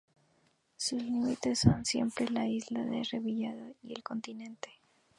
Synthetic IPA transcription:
suzlimit̪e̞sːonsje̞̰mpɾelaizlaðereβiʝaðoie̞lko̞nt̪inẽ̞nt̪e̥

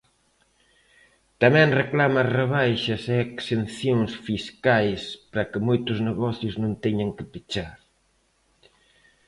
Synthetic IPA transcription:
t̪ɐmɛ̃ŋreklamɐreβajʃɐseeksenθjoŋsfiskajspɾɐkɪmojt̪ʊzneɣɔθjʊznõnt̪ɛɲɐŋkɪpit͡ʃaɾ

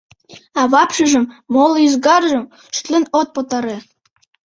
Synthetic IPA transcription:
ɑβɑpʃɤ̆ʒɤ̆mːolˠyzɡɑrʒɤ̆m | ʃt̪lʲɘ̆not̪̚pot̪ɑɾe

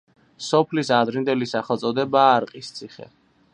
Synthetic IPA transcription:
sɔpʰlisad̪ɾind̪ɛlisaχɛlˠt̪sʼɔd̪ɛbaːɾqʼist̪sʰiχɛ̰

